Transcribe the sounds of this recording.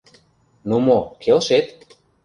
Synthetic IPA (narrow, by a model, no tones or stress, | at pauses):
numokʰelʃet̪